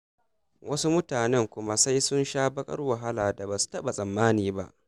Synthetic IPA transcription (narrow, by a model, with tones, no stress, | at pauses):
wʔɐ˦su˦mʊ˦taː˨nɛ˦˨ŋkʷʊ˦ma˦sa˦jsʊ˦nʃaː˦bɐ˦kʼɐ̰˦rwɐ˨ɦa˦laː˨da˨baː˨su̥˦tɐ˦ɓa˨sʼɐ˨mːaː˦niː˨ba̰˦ʔ